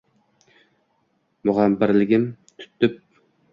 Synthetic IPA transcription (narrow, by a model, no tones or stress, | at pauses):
mʊʁambɪɾlɪɡʲɪmt̪ʰʊ̥t̪ʰːʏp̚